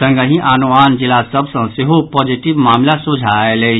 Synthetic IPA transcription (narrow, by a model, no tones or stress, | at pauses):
ə̃ŋɡəɦĩʔanuaːnd͡ʒɪlasəbsə̃seɦopɔːd͡ʒiʈibmaːmlasud͡ʒʱaele